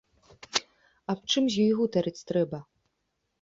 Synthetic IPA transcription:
ap̚t͡ʂɨmzʲjɔjɣut̪ɐɾɨt͡sʲt̪ɾɛbɐ

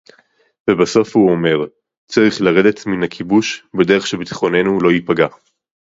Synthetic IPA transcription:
vebaso̞fhuome̞ʁ | t͡saʁiχlaʁe̞de̞tminakʰibuʃbedeeχʃebet̪i̥χo̞ne̞nulo̞ipaɡa

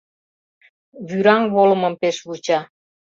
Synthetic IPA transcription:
βyɾɑŋβolməmpeʃβut͡ɕɑ

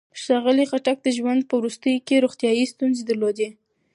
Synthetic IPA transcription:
ʃɑɣəliɣaʈak̚d̪əʒwand̪̚pəwɾust̪əjokeɾoɣt̪jɑjist̪unzed̪əɾlod̪e

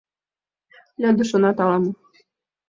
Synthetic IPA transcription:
lʲɑd̪ŭʃɤ̆nɑt̪ɑlˠɑmɤ̆

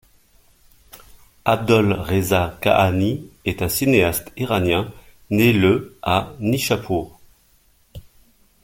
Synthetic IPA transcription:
ab̚d̪ɔlʁezaka̰ʔaniɛt̪ɛ̃sineast̪iʁanjɛ̃ | neləaniʃapʰuːʁ

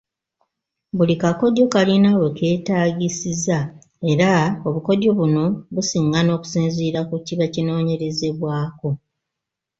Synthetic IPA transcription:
bulikako̞do̞kalinaweke̞ːtaːɟisiza | e̞ɾao̞βuko̞do̞βuno̞βusiːŋɡano̞ːku̥siːnziːɾakuciβacino̞ːɲe̞ɾe̞ze̞βwaːko̞

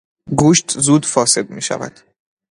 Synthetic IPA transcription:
ɡuːʃt̪zuːd̪fɒːse̞d̪̚mḭːʃæ̰væ̰d̪̥

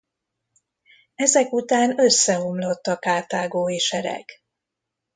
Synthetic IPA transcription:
ɛzɛkut̪aːnø̞sːɛɦomlo̞t̪ːɒkaːt̪aːɡoːeʃɛɾɛ̰k

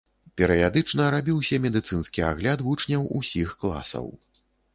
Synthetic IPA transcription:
pʲɛɾɨjad̪ɨt͡ʂnɐɾabʲiwsʲɐmʲɛd̪ɨt̪sɨnskʲia̰ɣlʲad̪vut͡ʂnʲɐwusʲixklˠa̰sɐ̰w

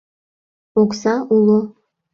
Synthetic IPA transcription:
oksɑʔulˠo

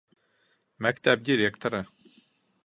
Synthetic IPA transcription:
mækt̪ʰæb̚d̪iɾekt̪əɾə

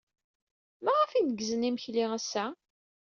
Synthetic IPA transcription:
mæʁæfinəɡzəniməçliʁæsːæ

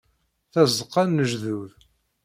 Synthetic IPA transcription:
θæzəqːænːəʒðuð

